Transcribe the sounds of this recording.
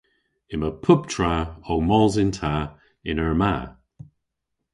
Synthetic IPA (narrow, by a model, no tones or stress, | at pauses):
ɪməpʰʊptʰɹaowmɔlzɪntʰa | ɪnəɹma̰ː